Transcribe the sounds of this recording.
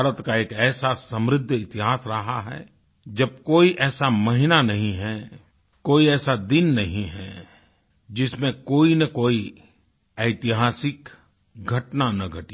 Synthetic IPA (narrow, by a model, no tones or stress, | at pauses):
bːɾət̪kaeːkɛːsasə̃mɾɪd̪ʱːɪt̪ɪɦaːsɾɐɦaɦɛ̰ | d͡ʒɐb̚koːiʔɛːsamɐɦɪnanɐɦĩɦɛ | koːiɛːsad̪ɪnːɐɦĩɦɛ̰ | d͡ʒɪsmẽkoːinɐkoːi | ɐɪt̪ɪɦaːsɪk | ɡʱɐʈnanɐɡʱɐʈi